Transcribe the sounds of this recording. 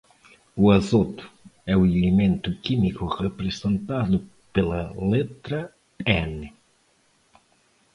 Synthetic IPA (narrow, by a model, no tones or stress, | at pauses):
uazot̪ʊ̥ɛuelemẽnt̪ʊkimikʊʁepɾezẽnt̪aðʊ | pelɐlet̪ɾɐ | ɛnɪ